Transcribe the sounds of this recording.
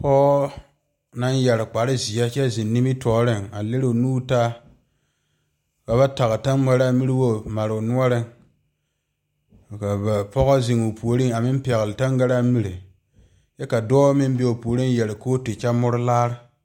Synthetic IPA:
pɔː˦ | na˦njɛ˨ɾɪ˨k͡pa˨ɾɪ˦zi˨ɛ˦t͡ʃɛ˦zɪ˨nːi˦mi˦tʰɔː˨ɾɪ˦ŋa˨le˦ɾɪ˦˨nuː˦ta˦ | ba˨ba˦ta˨ɣɨ˨ta˦nma˨˦ɾa˦mi˦ɾi˦wo˦ma˨ɾɪ˨nu˦ɔ˦ɾɪ˦ŋ˨ | ka˨ba˨pɔ˦ɣɔ˦zɪ˨ŋu˨pʰu˨o˨ɾi˦ŋa˨mɪ˦m˦pɛ˨ɣɪ˨lɪ˨ta˦ŋ˦ɡa˦ɾa˦mi˨ɾe˨ | jɛ˦ka˨dɔː˦mɪ˦mbe˦o˨pu˨o˨ɾi˦ŋ˦jɛ˨lɪ˨koː˦te˨t͡ʃɛ˦mʊ˦ɾʊ˦laː˦ɾɪ˦

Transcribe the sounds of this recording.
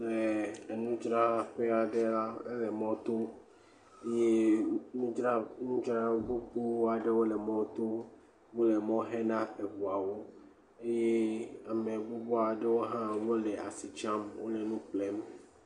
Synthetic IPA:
le˨nũ˦d͡ʒɾa˦ɸe˦a˨ɖe˦la˦e˦le˨mɔ̃˦t̪o˦ | e˦je˦nũ˦d͡ʒɾa˦nũ˦d͡ʒɾa˦ɡ͡bo˦k͡pu˦wa˨ɖe˦wo˦le˨mɔ̃˦t̪o˦ | wu˦le˨mɔ̃˦ɦẽ˦nã˦e˨vu˨a˨wo˦ | e˦je˦a˨mẽ˨ɡ͡bu˦bɔ˦a˨ɖe˦wo˦ɦã˦wo˦le˨a̰˨si˨t͡ʃã˦mwo̰˦le˨nũ˦k͡ple˦m˦

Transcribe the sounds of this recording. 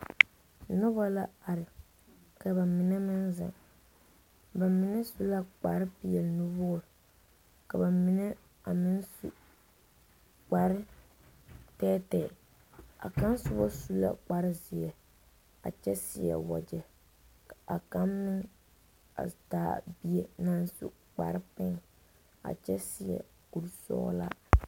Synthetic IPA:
nʊ˦ba˦la˦a˨ɾɪ˨ | ka˨ba˨mɪ˨nɛ˦mɪ˦nza̰˨ŋ | ba˨mɪ˨nɛ˦su˦la˦k͡pa˨ɾɪ˦pi˨jɛ˨lnu˦bo˦˨ɾ | ka˨ba˨mɪ˨nɛ˦ | a˨mɪ˦nsṵ˦˨ | k͡pa˨ɾɪ˦ | tɛː˦tɛː˨ | a̰˨ka˦nsʊ˦bɔ˦su˦la̰˦k͡pa˨ɾɪ˦zɪ˨jɛ˨ | a̰˨t͡ʃɛ˦sɪ̰˨jɛ̰˨wɔ˨d͡ʒɛ˨ | a˨ka˦mːɪ˦ŋ | a̰˨taː˨bi˦e˨na˦nsṵ˦ | k͡pa˨ɾɪ˦pɪ˦ŋ | a̰˨t͡ʃɛ˦sɪ˨jɛ̰˨ | ku˨ɾsɔ̰ː˦la̰˦

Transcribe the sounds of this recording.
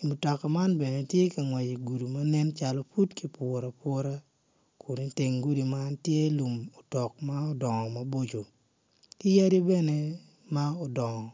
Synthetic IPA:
i˨mu˨tɔ˨ka˨ma˦nbɛ˨ne˨tje˦ka˨ŋwa˨d͡ʒi˨ɡu˨du˨ma˦nɛ˦nt͡ʃa˦lɔ˦fu˦tki˦pɔ˨ɾa˨pwɔ˦ɾa˦ | kʰʊ˨ni˨te˨ŋɡu˦di˨ma˦ntje˦lu˨mo˨tɔ˨k̚ma˦o˦dɔ˨ŋɔ˨ma˦bo˦d͡ʒo˨ | kɪ˦ja˦dje˦bɛ˦ne˦ | ma˦o˨dɔ˨ŋɔ˨

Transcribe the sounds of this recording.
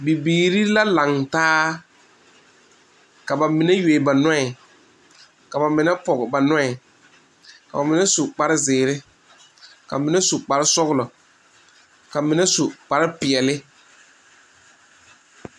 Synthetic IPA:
bi˨biː˨ɾi˦la˦la˨ŋtaː˦ | ka˨ba˨mɪ˨nɛ˦je˨ɪ˨ba˨nʊ˦ɛ˨ | ka˨ba˨mɪ˨nɛ˦pɔ˨ɡba˨nɔ˦ɛ˨ | ka˨ba˨mɪ˨nɛ˦su˨k͡pa˨ɾɪ˦zɪː˨ɾɪ˦ | ka̰˨mɪ˨nɛ˦su˨k͡pa˨ɾɪ˦sɔ˦ɣlɔ˨ | ka˨mɪ˨nɛ˦su˨k͡pa˨ɾɪ˦pɪ˨ɛ˨lɪ˦

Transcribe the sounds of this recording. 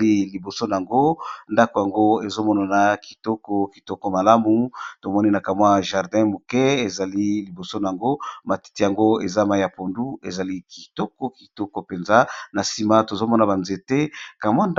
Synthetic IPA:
i˦li˨bo˨so˦na˨a˨ŋɡo˦nda˦ko˨ja˨ŋɡo˦e˨zo˦mɔ˦na˨na˦ki̥˨tɔ˦kɔ˨ki˨tɔ˦kɔ˦ma˨la˦mu˨to˨mɔ˦ni˦na˨ka˨mwa˦ʒa˨ʁdɛ̃˦mo˨kɛ˦e˨za˨li˦li˨bo˨so˦na˨a˨ŋɡo˦ma˨ti̥˦ti˦˨ja˨ŋɡo˦e˨za˦ma˨ja˨po˨ndu˦e˨za˨li˦ki˨tɔ˦kɔ˦ki˨tɔ˦kɔ˨pe˨nza˦na˨si˨ma˦to˨zo˦mɔ˦na˨ba˨nze˦tɛ˦ka˨mwa˦nd

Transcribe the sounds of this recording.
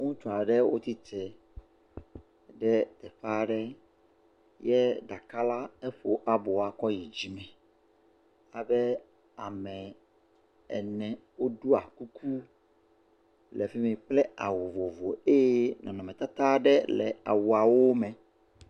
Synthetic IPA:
ŋũ˦t̪u˨a˨ɖɛ˦wo˦t̪i˦t̪ɛ˨ | ɖɛ˦t̪ɛ˨ɸa˦ɖɛ˦ | jɛ˦da˨ka˦la˦ɛ˦ɸo˨ʔa˨bo˨a˨kɔ˦ji˨d͡ʑi˨mɛ̃˨ | a˨bɛ˦ | a˨mɛ̃˨ | ɛ̰˨nɛ̃˨wo˦ɖu˦a˨ku˦kʰu˦ | lɛ˨fi˦mĩ˨k͡plɛ˦a̰˨wo˨vo˨vo˨e˦jɛ˦nɔ̰̃˨nɔ̃˨mɛ̃˨t̪a˦t̪a˦ɖɛ˦lɛ̰˨a̰˨wu˨a˨wo˦mɛ̃˨

